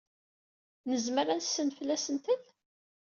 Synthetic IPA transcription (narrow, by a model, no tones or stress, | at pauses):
nəzməɾænsːənfəlːæsənt̪əl